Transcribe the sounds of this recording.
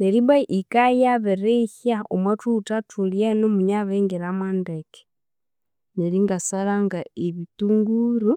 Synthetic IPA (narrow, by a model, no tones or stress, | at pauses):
neɾiβaʔikajaβeɾehjaomwatutatuljenomuɲaβeŋɡeɾamandeke̥ | neɾiŋɡasaɾaŋɡaeβituŋɡuɾu